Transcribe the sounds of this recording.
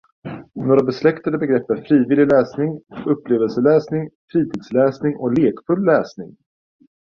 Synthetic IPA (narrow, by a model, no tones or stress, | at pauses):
noːɾabɛslɛkt̪ad̪əbɛɡɾɛpːæɾfɾiːvɪlːɪlɛːsnɪŋɵpːleːvəlsəlɛːsnɪŋfɾiːt̪ʰiːd̪slɛːsnɪŋʔɔleːkfɵlːɛːsnɪŋ